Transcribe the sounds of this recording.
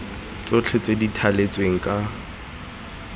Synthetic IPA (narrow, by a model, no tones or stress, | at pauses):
t͡sʼʊt͡ɬʰet͡sʼeditʰalet͡sʼweŋ̩kʼa